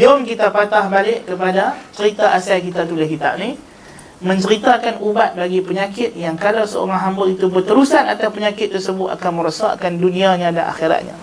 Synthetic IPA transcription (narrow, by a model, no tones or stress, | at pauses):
d͡ʒɔŋkit̪apat̪ahbalɪʔkəpadat͡ʃəɾit̪aʔasajkit̪at̪ulɪhkit̪a̰p̚ni | mə̃ɲt͡ʃəɾit̪akanubat̪̚baɡipəɲakɪt̪̚jaŋkalawsəo̰ɾaŋɦambalit̪ubət̪əɾusanat̪aspəɲakɪt̪ːərsəbʊt̪a̰kanmə̃ɾəsa̰ʔkandunĩaɲãda̰nʔa̰xiɾa̰t̪̚ɲã̰